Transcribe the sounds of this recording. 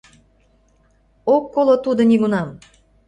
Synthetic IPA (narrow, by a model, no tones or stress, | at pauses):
okːolot̪ud̪oniɣunɑm